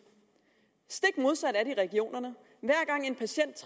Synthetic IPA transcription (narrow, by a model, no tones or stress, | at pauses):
sd̥e̝ɡ̥mo̝ð̞ˠsæɾ̥æɐɾiʁɛɡ̥io̝̰ːnɐnə | ʋæɐ̰ɡ̥ɑ̈ŋ̰e̝npʰæɕen̰d̥̚t͡sʰ